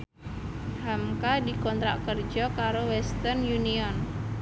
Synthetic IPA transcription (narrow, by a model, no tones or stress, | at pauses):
hamkadikɔnt̪ɾaʔkərd͡ʒɔkaɾowɛst̪ərnjuniɔn